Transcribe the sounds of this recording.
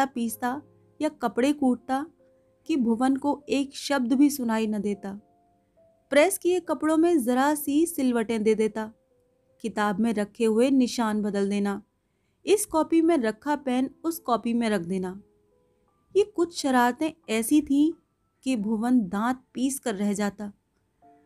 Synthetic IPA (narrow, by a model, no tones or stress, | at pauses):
apiːst̪a | jakɐpɽekuːʈ̚t̪a | kibʱʊʋənkoeːkʃɐb̚d̪bʱisʊnaːinɐd̪eːt̪aː | pɾɛːskiekɐpɽõmẽzɐɾasiːsɪlʋəʈẽd̪eːd̪eːt̪aː | kɪt̪aːbmẽɾɐkʰːeɦʊenɪʃaːnbɐd̪əld̪eːnaː | ɪskɔːpimẽɾɐkʰːapɛːnʊskɔːpimẽɾɐk̚ʰd̪eːnaː | jekʊt͡ʃʰʃɐɾaːɾt̪ẽɛːsit̪ʰĩ | kibʱʊʋənd̪ãːt̪̚piːskɐɾːɛɦd͡ʒaːt̪aː